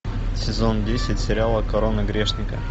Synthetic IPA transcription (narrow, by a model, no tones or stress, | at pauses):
sʲɪzondʲesʲɪtʲsʲɪɾʲɪalˠəkɐɾonəɡɾʲeʂnʲɪkə̰